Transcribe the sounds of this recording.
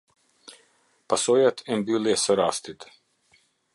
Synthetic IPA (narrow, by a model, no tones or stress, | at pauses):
pasojat̪ʰɛnbiljɛsɛɾaːst̪it̪